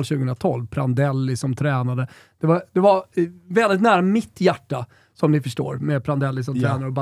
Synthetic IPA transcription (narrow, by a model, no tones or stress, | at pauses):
lɕʉ̟ɡəənɾat̪ʰɔlvpʰɾand̪ɛlːɪsɔmt̪ʰɾɛːnad̪ə | d̪̥ɛvad̪ɛvaɾvɛld̪ɪt̪næːɾamɪt̪ːjæʈːa | sɔmnɪfœʂʈo̰ːɾmɛpʰɾand̪ɛlːɪs̬ɔmt̪ɾæɛːnaɾəɔba